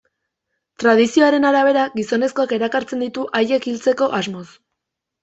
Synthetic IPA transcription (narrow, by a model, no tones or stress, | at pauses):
t̪ɾað̞isio̞aɾe̞naɾaβ̞e̞ɾaɡiso̞ne̞sko̞ake̞ɾakaɾt͡se̞nd̪it̪uʔaje̞kilt͡se̞ko̞ʔazmo̞s